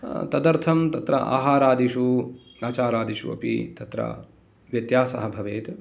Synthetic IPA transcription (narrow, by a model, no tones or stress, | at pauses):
t̪ɐd̪ɐɾt̪ʰɐmt̪ɐt̪ɾɐ̰ʔa̰ːɦaːɾaːd̪iʃuaːt͡ʃaːɾaːd̪iʃṵɐ̰pḭt̪ɐt̪ɾɐ̰ | ʋjɐt̪jaːsɐ̰ɦɐbʱɐʋeːt̪